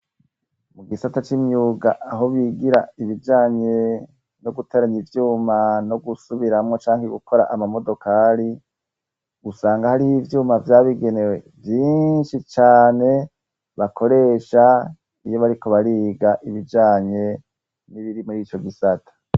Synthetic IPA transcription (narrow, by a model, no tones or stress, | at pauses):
muɡisatat͡ʃimɲuːɡaʔaɦo̞βiɡiɾa̰iβid͡ʒaːɲe̞ | no̞ɡutʰe̞ːɾaɲivjuːmano̞ɡusuβiɾamŋo̞t͡ʃaːŋhiɡukʰo̞ɾa̰ʔamamo̞do̞kaːɾi | ɡ̥usaːŋɡahaɾihivjuːmavjaːβiɡe̞ne̞we̞ | vjiːnʃit͡ʃaːne̞ | βakʰo̞ɾe̞ːʃa | ijo̞βaɾiko̞βaɾiːɡaʔiβid͡ʒaːɲe̞ | niβiɾimuɾiːt͡ʃo̞ɡisatʰḁ